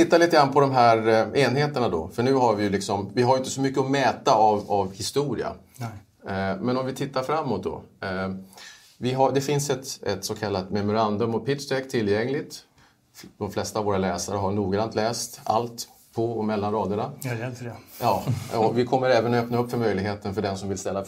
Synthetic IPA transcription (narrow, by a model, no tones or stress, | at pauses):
t̪ʰɪt̪ːalit̪əɡɾanːpʰɔd̪ɔmɦæɾeːnɦeːt̪əɳad̪ɔ̰fœɳʉ̟ːɦaɾvɪjɵlɪksɔmvɪɦaɾjʏɪnt̪əsɔmʏkːəɔmɛːt̪aavavhɪst̪uːɾɪ̰a̰ | mɛnɔmvɪt̪ʰɪt̪ːaɾfɾamːʊt̪̚d̪ɔ̰ | vɪɦad̪ɛfɪnsɛt̪ɛ̰t̪sɔkʰalːat̪mɛmʊɾand̪ɵmɔpʰɪt̪sʈ̪ɛkt̪ʰɪlːjɛŋlɪt̪ | d̪ɔmflɛst̪avoːɾalɛːsaɾəɦaɳuːɡɾant̪ʰlɛːst̪a̰lt̪ | pʰɔɔmɛlːanɾɑːd̪jʊna | jɑːɔvɪkʰɔmːəɾɛːvənɔœpnaɵpːfœɾmœjlɪɡɦeːt̪ənfœɖɛnsɔmvɪlst̪ɛlːa